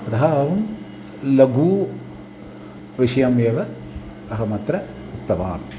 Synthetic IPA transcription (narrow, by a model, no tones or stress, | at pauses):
ɐt̪ɐɦɐɐʋɐm | lɐɡuː | ʋiʂɐjɐmeʋɐ | ɐɦɐmɐt̪ɾɐ | ut̪ːɐʋa̰ːn